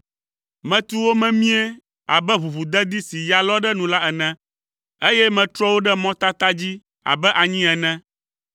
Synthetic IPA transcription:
mɛ̃˨t̪u˦wo˦mɛ̃˦mĩ˦ɛ˦ | a̰˨bɛ˦βu˨βu˨d̪ɛ˦d̪i˦si˨ja˨lɔ˦ɖɛ˦nũ˨la˦ɛ˨nɛ̃˦ | e˦jɛ˦mɛ̃˨t̪ɾɔ˦wo˦ɖɛ˦mɔ̃˦t̪a˦t̪a˦d͡ʑi˦ | a̰˨bɛ˦ʔa˨ɲĩ˦ɛ˨nɛ̃˦

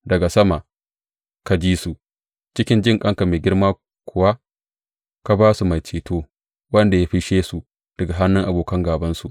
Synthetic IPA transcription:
dɐ˨ɡa˨sɐ˦ma˨ | ka˨d͡ʒiː˦su˨ʔ | t͡ʃɪ˦kʲɪ˦nd͡ʒɪ˦ŋkʼɐ˦ŋka˨meː˨ɡʲɪ˦ɽmaː˦ | kʷʰʊ˨wa˦ | ka˨baː˦su˨ma˨jt͡ʃeː˨toː˦ | wɐ˦nda˨ja˦ɸi˦ʃeː˦su˨ | d̥ɐ˨ɡa˨ɦa˦nːɪ˦ŋʔa˨boː˨kɐ˦ŋɡaː˨bɐ˦nsu˨ʔ

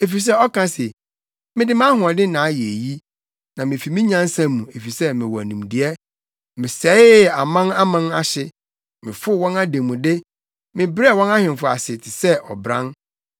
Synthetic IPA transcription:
e˨fi˨s̬ɛ˦ɔ˦kʰã˦se˨ | mɪ̃˦dɪ˦mã˦hʊ̃˨a˨dɪ˦nã˨˦jɛ˨e˨ji˦ | nã˨mɪ̃˨fi˨mɪ̃˦ɲã˦n˦sã˦mũ˨e˨fi˨sɛ˦mɪ̃˨wɔ˨æ˨nũ˨mdɪ˨ɛ˦ | mɪ̃˨sɛ˨˦ɪ˦a˨mã˦na˦mã˦na˦ɕɪ˦ | mɪ̃˨fʊ˦wɔ̃˦na˦dẽ˨mũ˨dɪ˦ | mɪ̃˨bɾɛ˦˨wɔ̃˦na˦hɪ̃˨n˨fʊ˨a̰˨sɪ˨tʰɪ˨sɛ˦ɔ̰˨bɾã̰˦n

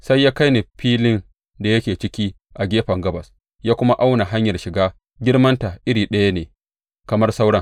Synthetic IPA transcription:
sa˦jːaː˦ka˦jne˨ɸiː˦lɪ˦n | da˨jɐ˦kʲeː˨t͡ʃɪ˦kʲiː˦ | ʔa˨ɡʲeː˦ɸɐ˨ŋɡɐ˦bɐ˨s | jaː˦kʷʊ˦ma˦ʔa˦wna˨ɦa˦ɲjɐ˨rʃɪ˨ɡaː˦ | ɡʲɪ˦rmɐ˦nta˨ʔɪ˦ɽiː˨ɗɐ˦ja˦neː˨ | kɐ˨mɐ˦rsa˦wɽɐ˦ŋ

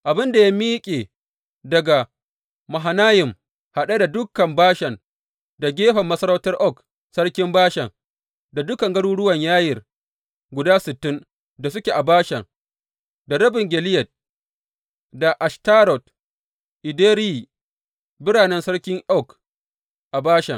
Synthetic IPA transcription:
ʔa˨bɪ˦nda˨ja˦miː˦kʲʼeː˨ | dɐ˨ɡa˨ | mɐ˨ɦa˨naː˦jɪ˨m | ha˨ɗa˦da˨dʊ˦kːɐ˨mbaː˦ʃɛ˨n | da˨ɡʲeː˦ɸɐ˨mːɐ˦sɐ˦ɾɐ˦wtɐ˦rʔɔ˦˨k | sɐ˦ɽkʲɪ˦mbaː˦ʃɐ˨ŋ | da˨dʊ˦kɐ˨ŋɡɐ˦ɽuː˦ɽʊ˦wɐ˨ɲjaː˦jɪ˨r | ɡʷʊ˨daː˦sɪ˨tːɪ˦ŋ | da˨s̬ʊ˦kʲe˨ʔa˨baː˦ʃɐ˨ŋ | da˨ɾɐ˦bɪ˨ŋɡʲɛ˨lɪ˦jɐ˨t̚ | da˨ʔa˨ʃta˦ɾɔ˨t | ʔɪ˨deː˦ɾi˦˨ | bɪ˦ɾaː˨nɛ˦nsɐ˦ɽkʲɪ˦ŋʔɔ˦k | ʔa˨baː˦ʃɐ˨ŋ

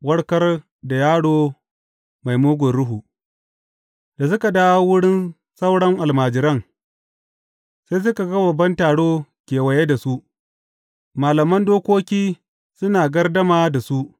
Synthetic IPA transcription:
wɐ˦ɽkɐ˦r | da˨jaː˦ɽoː˦ | ma˨jmoː˦ɡʷɔ˨rɽʊ˦ɦu˨ | d̥a˨s̬ʊ˦ka˨daː˦wa˦wʊ˦ɽɪ˦n | sɐ˦wɽɐ˦ŋʔa˨lmaː˨d͡ʒɪ˨ɾɐ˦ŋ | sa˦js̬ʊ˦ka˨ɡɐ˦bɐ˨bːɐ˦ntaː˨ɽoː˦kʲeː˨wɐ˨je˦da˨su˦ʔ | maː˨lɐ˨mɐ˦ndoː˦kʷoː˦kʲiː˦ | sʊ˦naː˨ɡɐ˦rdɐ˦maː˨da˨su˦ʔ

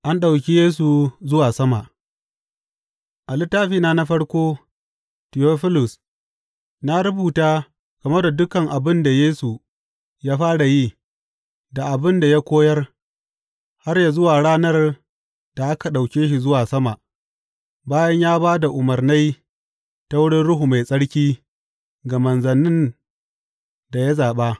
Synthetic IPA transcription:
ʔa˦nɗa˨wkʲi˦jeː˦s̬u˨zʊ˦waː˨sɐ˦ma˨ʔ | ʔa˨lɪ˦tːaː˦ɸiː˨naː˦na˦ɸɐ˦ɽkʷoː˦ | tɪ˨joː˦ɸɪ˦lʊ˨s | na˦ɾʊ˦buː˨taː˦ | kɐ˨me˦da˨dʊ˦kɐ˨ŋʔa˨bɪ˦nda˨jeː˦su˨ | jaː˦ɸaː˦ɽa˨jiː˦ | da˨ʔa˨bɪ˦nda˨ja˦kʷoː˦jɐ˦r | ha˦rja˨zʊ˦waː˨ɽaː˦nɐ˦r | d̥a˨ʔa˦ka˨ɗa˨wkʲeː˦ʃi˨zʊ˦waː˨sɐ˦ma˨ʔ | baː˦jɐ˦ɲjaː˦baː˦da˨ʔʊ˨mɐ˨rna˦j | ta˦wʊ˦ɽɪ˦nɽʊ˦ɦu˨ma˨jsʼɐ˦ɽkʲiː˦ | ɡa˨mɐ˨nzɐ˨nɪ˦n | da˨ja˦zaː˨ɓa˦ʔ

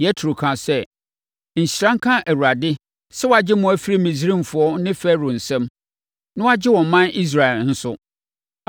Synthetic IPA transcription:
jɛ˦tʰu˨ɾu˨kʰã˨sɛ˦ | ɲ̩˨ɕi˨ɾã˦ŋ̩˦kʰã˦ʔæ˨wu˨ɾa˨dɪ˦ | sɛ˦wɔ˦a˨d͡ʑɪ˦mʊ̃˦æ˦fi˦ɾi˦mĩ˨s̬i˦ɾĩ˦m̩˨fʊ˨˦ɔ˦nɪ̃˦fɛ˦ɾo˨n̩˨sɛ̃˦m | nʊ̃˦a˦d͡ʑɪ˦wɔ̃˨m˦mã˦ni˦s̬ɾa˨ɛ˨ln̩˦sʊ˦

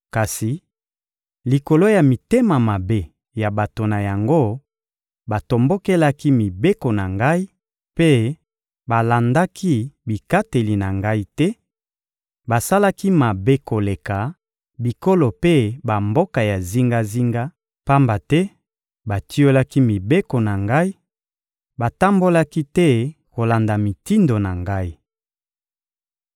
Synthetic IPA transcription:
ka˨si˨ | li˨ko˨lo˦ja˨mi˨te˦ma˨ma˨be˦ | ja˨ba˨to˨na˨ja˨ŋɡo˦ | ba˨to˨mbo˦ke˦la˦ki˦mi˨be˦ko˨na˨ŋɡa˦i˦ | pe˦ | ba˨la˨nda˦kʰi˦bi˨ka˦te˨li˨na˨ŋɡa˦i˦tɛ˦ | ba˨sa˦la˦ki˦ma˨be˦ko˨le˨ka˨ | bi˨ko˦lo˨pe˦ba˨mbo˦ka˨ja˨zi˦ŋɡa˦zi˦ŋɡa˦ | pa˦mba˨tɛ˦ | ba˨tʰi˦o˦la˦ki˦mi˨be˦ko˨na˨ŋɡa˦i˦ | ba˨ta˦mbo˦la˦ki˦tɛ˦ko˨la˨nda˨mi˨ti˦ndo˨na˨ŋɡa˦i˦

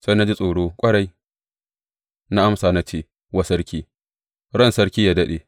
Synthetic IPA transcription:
sa˦na˦d͡ʒi˦sʼoː˨ɽoː˦kʷʼɐ˦ɽɐ˨j | na˦ʔa˦msaː˨na˦t͡ʃeː˦ | wa˦sɐ˦ɾkʲiː˦ | ɽɔ˦˨nsɐ˦ɽkʲiː˦jaː˦dɐ˦ɗeː˨

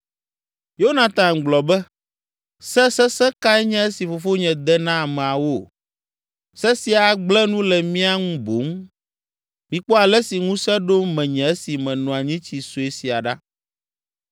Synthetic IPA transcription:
jo˦o˦nã˨t̪ã˨ɡ͡blɔ˨bɛ˦ | sɛ˦sɛ˦sɛ˦ka˦ɛ˦ɲɛ̃˦e˦si˨fo˨fo˦ɲɛ̃˨d̪ɛ˦nã˦a˨mɛ̃˨a˨wo˦ | sɛ˦si˨a˨ɡ͡blɛ˦nũ˦lɛ˨mĩ˦a˦ŋũ˦bo˨˦ŋ˦ | mĩ˨k͡pɔ˦a˨lɛ˦si˨ŋũ˦sɛ˦ɖo˦mɛ̃˨ɲɛ̃˨e˦si˨mɛ̃˨nɔ̃˨a˨ɲĩ˦t͡ɕi˨so˨e˦si˨a˨ɖa˦

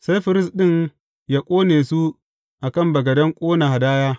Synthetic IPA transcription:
sa˦jɸɪ˨ɾɪ˦˨sɗɪ˦ŋ | ja˦kʷʼoː˦neː˨su˦ | ʔa˨kɐ˦˨mbɐ˨ɡɐ˨dɐ˦ŋkʷʼoː˦na˨ha˨daː˦jaː˦

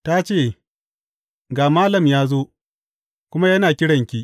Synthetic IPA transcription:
ta˦t͡ʃeː˦˨ | ɡaː˨maː˦lɐ˨mjaː˦zo˦ | kʷʊ˦ma˦jɐ˦naː˨kʲɪ˦ɽɐ˨ŋkʲi˦ʔ

